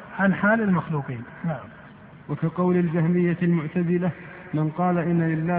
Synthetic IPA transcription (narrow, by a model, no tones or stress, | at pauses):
ʕanħaːlɪlmaxluːqiːn | naʕam | wakaqɑwlald͡ʒahmɪjːalmʊʕt̪azɪla | mɪnqɑːlaʔɪnːalɪlːaː